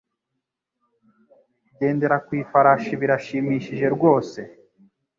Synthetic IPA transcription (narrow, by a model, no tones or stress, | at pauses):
ɟe̞ːnde̞ɾakwiːfaɾaʃiβiɾaʃiːmiːʃiʒe̞ɾɡwo̞ːse̞